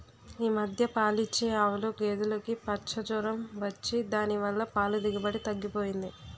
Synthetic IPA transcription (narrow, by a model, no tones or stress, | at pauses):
iːmɐd̪ʱjɐpaːlit͡ʃːeaːʋuluɡeːd̪ulokipɐt͡ʃɐd͡ʒɔːɾɐmʋɐt͡ʃːid̪aːniʋɐlːɐpaːlud̪iɡɐbɐɽit̪ɐɡːipo̞ːjind̪i